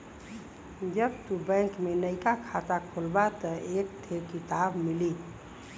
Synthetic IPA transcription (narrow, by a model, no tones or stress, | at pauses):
d͡ʒəbt̪ubə̃ŋkmenəjkakʰat̪akʰolbat̪əek̚t̪ʰeɾkit̪abmili